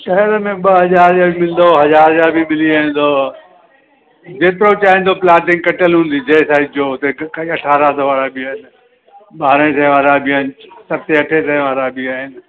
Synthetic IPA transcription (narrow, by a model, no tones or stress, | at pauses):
ʃɐɦɪɾmẽɓɐɦɐzaːɾd͡ʑaːbʱimɪlnd̪oɦɐzaːɾd͡ʑaːbʱimɪliaːɦɪ̃n̆d̪oː | d͡ʑeːt̪ɪɾot͡ɕaːɦɪ̃n̆d̪oplaːʈɪ̃ŋɡ̚kɐʈəlɦũːnd̪id͡ʑeːsaːɪdd͡ʑoːt̪ekɐʈʰaːɾasoːʋaːɾabɪaːɦɪnɪ | ɓaːɾẽt̪ʰɛ̃ʋaːɾabʱɪaːɪnɪsɐt̪eɐʈʰet̪ʰɛ̃ɪ̃ʋaːɾabʱiaːɦɪnɪ̆